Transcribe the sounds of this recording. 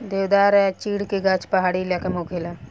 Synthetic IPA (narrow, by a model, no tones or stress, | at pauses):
d̪eːwd̪aːɾɛt͡ʃiːɽkeɡat͡ʃpɐɦaːɽilaːkəmoːkʰelaː